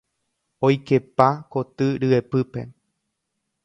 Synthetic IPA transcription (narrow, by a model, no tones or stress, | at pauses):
ojke̞pakot̪ɨɾɨepɨpe̞̰